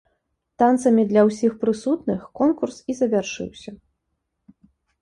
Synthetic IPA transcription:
t̪ant̪sɐmʲid̪lʲɐwsʲixpɾɨsut̪nɨxkɔnkursizɐvʲarʂɨ̰wsʲɐ

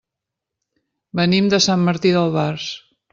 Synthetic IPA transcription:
bənimd̪əsamːəɾt̪iðəlˠβars

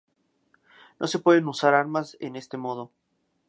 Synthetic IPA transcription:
no̞̰se̞pwe̞ðenusaɾaɾmasḛne̞st̪e̞mo̞ð̞o̞

